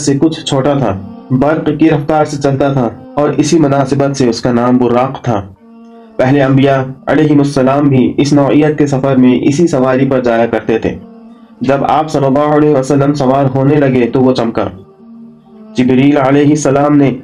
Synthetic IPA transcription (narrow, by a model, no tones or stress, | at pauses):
sekʊt͡ʃʰt͡ʃʰoːʈat̪ʰaːbɐɾqkiɾɐft̪aːɾset͡ʃɐlt̪at̪ʰaɔːɾɪsimʊnaːsɪbət̪seʊskanaːmbʊɾːaːqt̪ʰaː | pɛɦleɐ̃mbijaɐ̰lɛːɦɪmʊsːɐlaːmbʱiʔɪsnɔːijːət̪̚kesɐfəɾmẽʔɪ̰sisɐʋaːɾipɐɾd͡ʒaːjakɐɾt̪et̪ʰḛː | d͡ʒɐba̰ːpsɐlːəlːaːɦʊɐlɛːɦʋəsəlːəmsɐʋaːɾɦoːnelɐɡet̪oʋot͡ʃɐmka̰ː | d͡ʒɪbɾiːlɐlɛːɦɪsːɐlaːmne